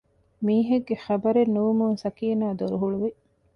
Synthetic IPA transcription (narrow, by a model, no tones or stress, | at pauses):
miːɦeɡːeχɐbɐɾenːuʋumuŋsɐkiːnaːd̪oɾuɦuɭuʋi